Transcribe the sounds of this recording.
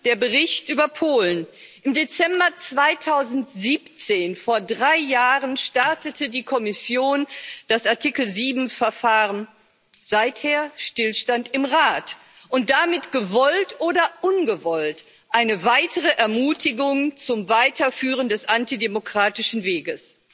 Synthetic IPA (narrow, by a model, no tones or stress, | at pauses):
d̥eːɐbəʁɪçtʔyːbɐpʰoːlən | ʔɪmdet͡sɛmbɐt͡sv̥aɪtʰaʊzn̩tz̥iːpt͡seːnfoːɐdʁaɪjaːʁənʃtaɐtətʰədiːkʰɔmɪsjoːnd̥asaɐtʰikl̩ziːbm̩fɛɐfaːʁən | z̥aɪtheːɐʃtɪlʃtantɪmʁaːt | ʔʊnt̚d̥amɪtɡ̥əvɔltʔoːdɐʔʊnɡəvɔlt | ʔaɪnəvaɪtʰəʁəʔɛɐmuːtʰɪɡʊŋt͡sʊmvaɪtʰɐfyːʁəndɛsʔantidemokʁ̥aːtɪʃn̩veːɡəs